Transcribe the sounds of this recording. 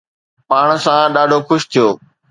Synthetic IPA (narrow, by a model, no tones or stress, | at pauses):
paːɽ̃sãɗaːɖʱoxʊʃt̪ʰijoː